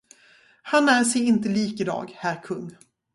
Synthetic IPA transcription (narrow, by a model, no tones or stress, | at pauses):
hanæːʂɛjɪnt̪əliːkɪd̪ɑ̰ːɡhæːɾkʰɵŋː